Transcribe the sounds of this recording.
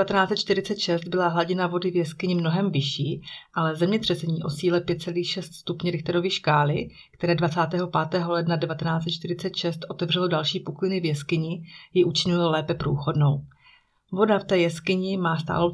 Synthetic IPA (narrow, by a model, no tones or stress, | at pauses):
vat̪ɛnaːt͡sɛt̪̚t͡ʃt̪ɪɾɪt͡sɛt̪ʃɛst̪̚bɪlaɦlaɟɪnavo̞dɪvjɛskɪɲɪmno̞ɦɛmvɪʃiːʔalɛzɛmɲɛt̪r̥ɛsɛɲiːʔo̞siːlɛpjɛt̪̚t͡sɛliːxʃɛst̪st̪upɲɛɾɪxt̪aɾo̞vɪʃkaːlɪ | kt̪ɛɾɛːdvat͡saːt̪ɛːɦo̞paːt̪ɛːɦo̞lɛdnadɛvat̪ɛnaːt͡sɛt̪̚t͡ʃt̪ɪɾɪt͡sɛt̪ʃɛst̪ʔo̞t̪ɛvr̝ɛlodalʃiːpuklɪnɪvjɛskɪɲɪjɪʔut͡ʃɪɲʊlolɛːpɛpɾuːxodno̞w | vo̞daft̪ɛːjɛskɪɲɪmaːst̪a̰ːlo